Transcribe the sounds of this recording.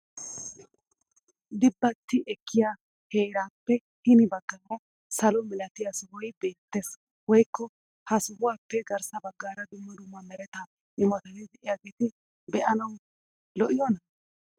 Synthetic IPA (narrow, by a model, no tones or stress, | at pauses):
d̪ɪbːɐt̪ːɪʔɛkːɪja | heːɾaːpːɛ | hɪnɪbɐɡːɐlɐ | sɐlɔmɛlɐt̪ɪjɐsʊhɔjbe̞ːt̪ːeːs | wɔjkːɔ | hɐsʊhʊwaːpːɛɡɐɾsɐbɐɡːaːɾɐd̪ʊmːɐd̪ʊmːɐmɛɾɛt̪ɐ | ɪmɔt̪ɐnɪd̪ɛʔɪjaɡiːt̪ɪ | bɛʔɐnɐwʊ | lɔʔɪjɔnɐ